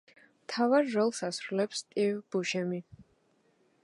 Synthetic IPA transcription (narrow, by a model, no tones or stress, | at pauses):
mt̪ʰavaɾːɔlˠsasɾulɛpst̪ʼivb̥uʃɛmi